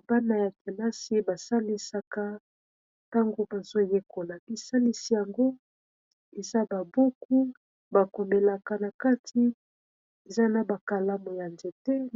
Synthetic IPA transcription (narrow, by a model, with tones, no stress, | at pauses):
ba˦na˨ja˨te˨ma˦si˦ba˨sa˦li˦sa˨ka˦ | ta˦ŋɡo˦ba˨z̥o˦je˦kʰo˨la˨bi˨sa˦li˦si˦ja˨ŋɡo˦ | e˨za˦ba˨bo˦ku˦ | ba˨ko˨mbe˨la˨ka˨na˨ka˦tʰi˦ | e˨za˦na˨ba˨ka˨la˦mo˨ja˨nze˨tɛ˦